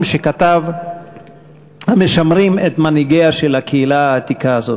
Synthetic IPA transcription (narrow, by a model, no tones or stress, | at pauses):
mʃe̞kat̪av | hameʃamʁimet̪maniɡeaʃe̞lakʰeilaaːt̪ikaːzot